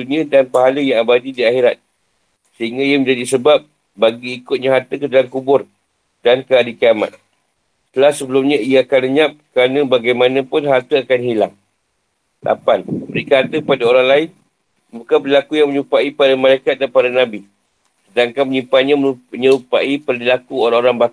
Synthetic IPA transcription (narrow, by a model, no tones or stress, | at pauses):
unĩadanpaɦaləjaŋabadidiaxeɾat̪̚ | səɦiŋɡaijaməɲd͡ʒadisəbap̚ | baɡiːkʊt̪̚ɲaɦart̪əkədalamkubʊr | dankəadikiama̰t̪̚ | t̪əlahsəbəlumɲãijaakanləɲãp̚kəɾanãbaɡajmãnãpʊnɦart̪əakanhilaŋ | lʔa̰panbəɾikaɦat̪əkəpadaoɾaŋlaɪn | bukanbəɾilakujaŋməɲupaipadamãlajkat̪̚danpadanãbi | sədaŋkanməɲimpanɲãmuəɲəɾupaipərdilakuoɾaŋoɾaŋbak